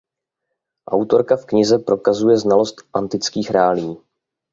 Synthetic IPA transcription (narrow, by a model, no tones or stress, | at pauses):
ʔa̰wt̪o̞ɾkafkɲɪzɛpɾo̞kazujɛznalo̞st̪ʔant̪ɪt͡skiːxɾaːliː